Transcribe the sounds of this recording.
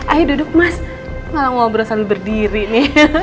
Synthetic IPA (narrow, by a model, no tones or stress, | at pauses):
ajdudʊk̚mas | malaŋaŋbəɾosalibərdiɾinɪ